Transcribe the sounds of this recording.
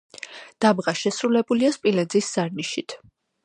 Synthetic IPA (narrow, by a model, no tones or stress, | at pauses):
d̪̥abʁaʃɛsɾulɛbuliaspʼilɛd̪zisz̥aɾniʃit̪ʰ